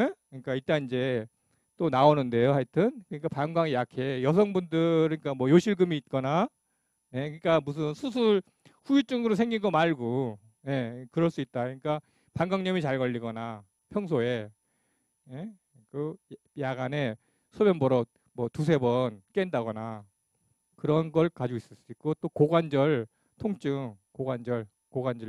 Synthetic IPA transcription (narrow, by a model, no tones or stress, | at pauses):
ne̞kɯɲik͈aiɭt͈anind͡ʑe̞ | t͈onaonɯnde̞joɦaɭtʰɯnkɯɲik͈apaŋɡwaŋijakʰe̞jʌs̬ʰʌŋbundɯɾɯɲk͈amwʌjoɕʰiɭɡɯmiːt̚k͈ʌna | ne̞kɯɲik͈amus̬ʰɯnsʰus̬ʰuɭ | ɸuit͡ɕ͈uŋɯɾosʰe̞ŋɡinɡʌmaɭɡo | je̞kɯɾʌɭs͈uit̚t͈akɯɲik͈a | paŋɡaŋɲʌmit͡ɕaɭɡʌʎːiɡʌna | pʰjʌŋsʰoe̞ | ne | kɯ | jaɡane̞ | sʰobjʌnbʌɾʌ | mʌtus̬ʰe̞bʌnk͈endaɡʌna | kɯɾʌnɡʌɭkad͡ʑois͈ɯɭs͈uit̚k͈ot͈okoɡwand͡ʑʌɭ | tʰoŋt͡ɕ͈ɯŋkoɡwand͡ʑʌɭ | koɡwand͡ʑʌ